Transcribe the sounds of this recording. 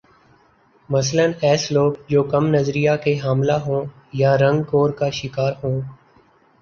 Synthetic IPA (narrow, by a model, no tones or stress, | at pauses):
məsələnɛːsloːɡd͡ʒoːkəmnəzɾijaːkeɦaːmlaːɦõː | jaːɾə̃ŋɡkoːɾkaːʃɪkaːɾɦõː